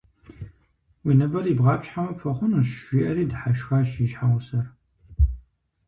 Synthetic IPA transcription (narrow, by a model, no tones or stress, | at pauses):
winɐbɐribʁɑːpɕħamɐfʰɐχʷʊnuɕʒʷiʔɐɾiːdħaʃxaːʃiʒħaʁʷʊsɐr